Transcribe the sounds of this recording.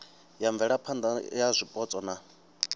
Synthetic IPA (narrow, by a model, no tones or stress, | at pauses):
jaɱb̪vɛɺapʰand̪ajazʷipʼɔt͡sʼɔna